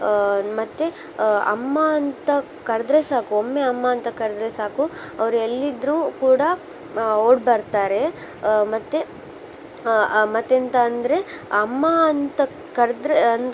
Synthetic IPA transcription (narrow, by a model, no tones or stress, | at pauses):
mɐt̪ːe | ɐ̰mːɐːnt̪ɐ | kɐɾɐd̪ɾesaːkuomːeɐmːɐɐnt̪ɐkɐɾd̪ɾesaːku | ɐʋɐɾuelːid̪ɾuːkuːɽɐ | oːɖbɐɾt̪aːɾe̞ | mɐt̪ːe | mɐt̪ːent̪ɐɐnd̪ɐɾe̞ | ɐmːɐɐnt̪ɐ | kɐɾd̪ɾeɐn